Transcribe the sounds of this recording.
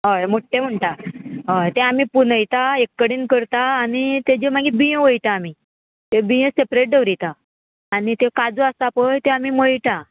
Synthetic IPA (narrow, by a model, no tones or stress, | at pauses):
ɦəjmoʈʰːem̤əɳʈ̪aɦəjt̪ẽamipunəjt̪aekːəɽiːnkəɾt̪aːnit̪ed͡ʑem̤aɡibijə̃ʋəjt̪aːmi | t̪ebijə̃sepɾeʈ̚ɖəʋɾit̪aː | nit̪ekad͡zəast̪apəjt̪ẽamiməjʈ̪a